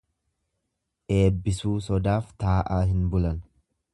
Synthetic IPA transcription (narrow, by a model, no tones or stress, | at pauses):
ʔe̞ːbːɪsuːsɔd̪aːft̪aːʔaːɦɪnbʊlɐn